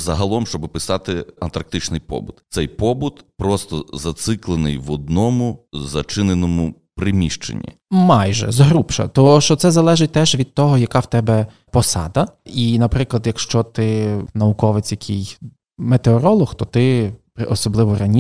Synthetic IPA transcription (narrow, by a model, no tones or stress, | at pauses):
zɐɦɐlˠɔmʃt͡ʃɔbɪpɪsɑt̪ɪɐnt̪ɐɾk̚t̪ɪt͡ʃnɪjpɔ̰bʊt̪t̪sɛjpɔbʊt̪pɾɔst̪ɔzɐt̪sɪklˠenɪjʋɔd̪̚nɔmʊzɐt͡ʃɪnenɔmʊ | pɾɪmʲiʃt͡ʃḛnʲːḭ | mɑjʒɛ̰zɦɾupʃɐ̰t̪ɔʃt͡ʃɔt̪sɛzɐlˠɛʒɪt̚ʲt̪ɛʒʋʲid̪̚t̪ɔɦɔjɐkɑwt̪ɛbɛ | pɔsɑ̰d̪ɐinɐpɾɪklˠɐd̪jɐkʃt͡ʃɔt̪ɪnɐʊkɔʋet͡sʲjɐkʰij | met̪eɔɾɔlˠɔxt̪ɔt̪ɪpɾɪʔɔsɔblˠɪʋɔrɐnʲ